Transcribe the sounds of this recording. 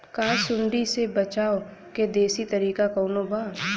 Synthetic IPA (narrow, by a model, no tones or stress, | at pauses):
kaːsʊɳɖisebɐt͡ʃaːo | ked̪eːsit̪ɐɾiːkakoːnobaː